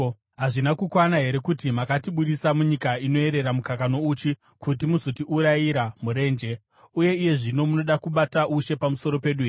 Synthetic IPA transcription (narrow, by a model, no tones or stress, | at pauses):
ɦaʐinakukwanaɦe̞ɾe̞kutimakatiɓuɗisamuɲikaino̞e̞ɾeɾamukakano̞ut͡ʃi | kut̬imuzotiʔuɾajiɾamuɾe̞ːnd͡ʒe̞ | uje̞ije̞ʐino̞muno̞ɗakuɓataʔuʃe̞pamuso̞ɾo̞pe̞ɗuer